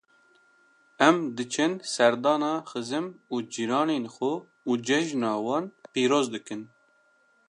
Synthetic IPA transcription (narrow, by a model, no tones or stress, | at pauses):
ɛmd̪ɨt͡ʃʰɛnsɛɾd̪ɑːnɑːxɨzɨmuːd͡ʒiɾɑːneːnxʊ | uːd͡ʒɛʒnɑːwɑːnpiːɾoːzd̪ɨkɨn